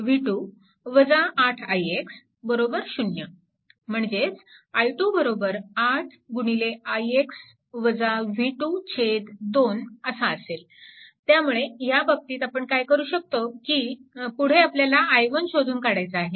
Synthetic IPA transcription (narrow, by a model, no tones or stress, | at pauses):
ʋiʈu | ʋəd͡zaʔːʈʰajeks | bəɾobəɾɕunjə | m̤əɳd͡zet͡sajʈubəɾobəɾaʈʰɡuɽ̃ileajeks | ʋəd͡zaʋiʈut͡ɕʰet̪d̪onəsaəsel | t̪jamuɭejabəb̚t̪iːt̪apəɳkajkəɾuːɕək̚t̪okipuɽ̤eapljalaʔːjʋənɕod̪ʱuːnkaɽajt͡saːɦe